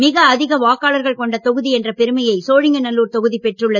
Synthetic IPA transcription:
mɪɣɐːðɪɣɐʋaːkaːlɐɾɣɐɭkɔɳɖɐt̪ɔɣɯðiɛndrɐpɛɾɯmɐjɐɪsoːɻɪŋɡɐnɐlːuːɾt̪ɔɣɯðipɛʈrɯɭːɐ

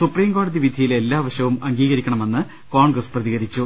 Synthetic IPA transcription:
supriːmko̞ːɽɐðiʋid̪ʱijile̞lːaːʋɐɕjɐʋumɐŋɡiːɣɐɾikʲːɐɳɐme̞nːɨ | koːɳɡrɐsprɐðiɣɐɾit͡ɕːu

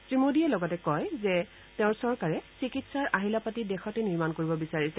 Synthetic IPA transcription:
tɹimodiɛlɔɡɔtɛkɔjzɛ | teʊ̃ɹsɔɹkaɹɛsikitsaɹʔaɦilapatidɛxɔtɛniɹmankoɹibɔbisaɹisɛ

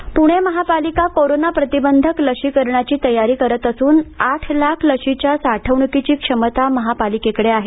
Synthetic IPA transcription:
puɽ̃eməɦapalikakoɾonapɾət̪ibənd̪ʱəkləʂikəɾɳjat͡ɕiːt̪əjaɾiːkəɾət̪əsuːnaʈʰlakʰləʂit͡ɕjasaʈʰəʋɳukit͡ɕiːkʂəmət̪aməɦapalikekəɽeaɦe

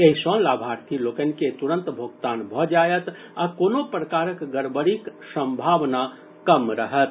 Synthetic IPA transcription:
eɦsɔ̃laːbʱaɾt̪ʰiloːkənket̪uɾə̃nt̪bʱoɡt̪aːnbʱɔd͡ʒajət̪ | akoːnopɾəkaːɾəkɡəɾbəɾiksə̃mbʱaʋna | kəmɾəɦət̪

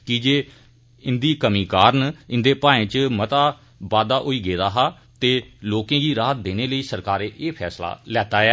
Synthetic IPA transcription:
kɪd͡ʒeː | ɪnd̪iːkəmiːkaːɾnɪnd̪eːpãːẽːt͡ʃmət̪aː | baːd̪aːʔoːiːɡeːd̪aːɦaː | t̪eːloːkẽːɡiːɾaːt̪̚d̪eːneːləiːsəɾkaːɾeːʔeːpʰɛːsla̰ːlɛːt̪aːɛː

